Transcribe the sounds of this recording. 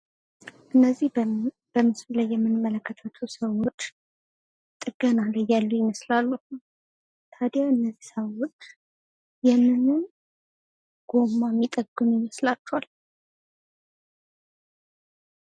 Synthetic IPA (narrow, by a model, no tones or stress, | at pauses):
ʔɨnːəzːih | b̥əmɨslulajːɛmːɨnmələkːət̪ʰət̪ʰusəwo̞t͡ʃː | t̪ʼɨɡ̥ənaləjalːujɪməslalːuh | t̪ʰad̪jaɨnːəzːisəwo̞t͡ʃː | jɛnːɨnɨn | ɡ̥o̞mamːit̪ʼəɡːɨnujɪməslat͡ʃːɛwal